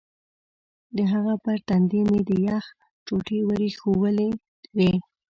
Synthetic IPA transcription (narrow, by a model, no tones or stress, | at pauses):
d̪əɦaɣapəɾt̪and̪ened̪əjax | t͡ʃoʈewəɾexowəle | we